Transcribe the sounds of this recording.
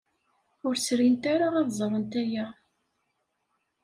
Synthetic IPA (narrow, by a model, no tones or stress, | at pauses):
ʊɾsɾint̪aɾaʁɑðzˤɾˤənt̪æjæ